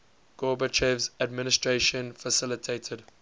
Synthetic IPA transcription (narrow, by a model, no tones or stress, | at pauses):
ɡ̥ɔːbət͡ʃɛvzad̚mɪnɪstɹeʃə̃nfasɪlɪtʰeːtʰəd